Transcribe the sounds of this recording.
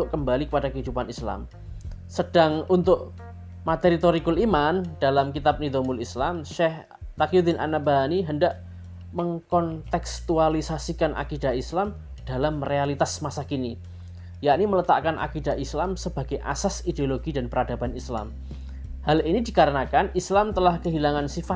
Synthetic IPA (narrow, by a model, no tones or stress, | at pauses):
ʊʔkəmbalikəpadakəɦidupanisla̰m | səd̥aŋunt̪ʊʔ | mat̪eɾit̪oɾikʊlimand̥alamkit̪ap̚nid̪omʊlislamʃɛh | t̪akjud̪ɪnʔa̰nabaɦaniɦəndaʔ | məŋkɔnt̪ɛkst̪ualisasikanʔa̰kid̥a̤islam | d̥alamrealit̪asmasakini | jaʔnimələt̪a̰ʔkanʔa̰kidaislamsəb̥a̤ɡ̥ajʔa̰sasideoloɡidanpəɾad̥abanisla̰m | halinidikaɾənakanislamt̪əlahkəɦilaŋansifa